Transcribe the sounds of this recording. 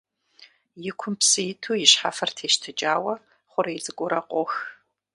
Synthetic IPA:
jɪkʷʰʊmpsɨjɪtʰuːjɪɕħa̰fɐrtʰeːʃtʰɨt͡ʃʼaːwɐ | χʷʊɾɐjɪt͡sʼɨɡʷʼʊɾɐqʷʼɔx

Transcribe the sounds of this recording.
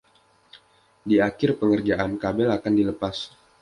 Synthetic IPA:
diakɪrpəŋərd͡ʒaʔankabɛlakandiləpas

